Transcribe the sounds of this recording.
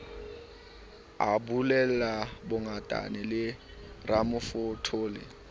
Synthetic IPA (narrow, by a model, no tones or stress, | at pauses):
abulɛlabʊŋatʼa̰nɪlɪramʊfʊtʰʊːlɪ̰